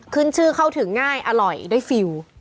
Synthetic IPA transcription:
kʰɯ˥˩nt͡ɕʰɯː˥˩kʰa˥˩wt̪ʰɯ˩˦ŋːaː˥˩jʔa˧ɾɔ˨˩jda˥˩jfi˧w

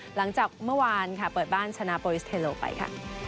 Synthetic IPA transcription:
la˩˦ŋt͡ɕaː˨˩k̚mɯ˥˩ɐwaː˧nkʰa˥˩pɤː˨˩t̪̚baː˥˩nt͡ɕʰa˧naː˧poː˧ɾi˦˥st̪ʰe˧loː˧pa̰˧jkʰa̰˥˩

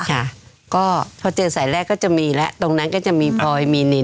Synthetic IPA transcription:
kʰa˥˩ | kɔː˥˩pʰɔː˧t͡ɕɤː˧nsaː˩˦jɾɛː˥˩kːɔː˥˩t͡ɕa˨˩ʔmiː˧lɛ˦˥ʔt̪o˧ŋna˦˥nkɔː˥˩t͡ɕa˨˩ʔmiː˧pʰɔː˧jmiː˧ne˧˩

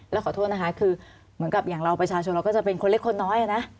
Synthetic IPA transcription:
lɛ˦˥wʰɔː˨˩oː˥˩t̚na˦˥kʰa˦˥kʰɯː˧ | mɯ˨˩˦ənka˨˩p̚jaː˨˩ŋɾa˧wpɾa˧t͡ɕʰaː˧t͡ɕʰo˧nɾa˧wkɔː˥˩t͡ɕa˨˩pe˧nkʰo˧le˦˥kʰo˧nːɔː˦˥jʔa˧˨na˦˥

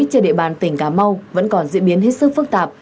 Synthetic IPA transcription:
t͡ɕɗḭ˧˨ɓaː˨˩nt̪ï˧˩ŋ̟kaː˨˧˩ma˧wvə̰˧˥nkɔ˨˩nzḭ˧˥ɓi˨˦ənɦe˦˥t̚sɨ˦˥k̚fɨ˦˥k̚t̪aː˨˩p̚

